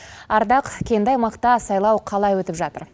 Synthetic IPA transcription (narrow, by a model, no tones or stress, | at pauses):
ɑɾd̪ɑqkʲʰe̞nd̪ɑjmɑqt̪ɑsɑjlˠɑwqʰɑlˠɑjwɵt̪ɪpʒɑt̪əɾ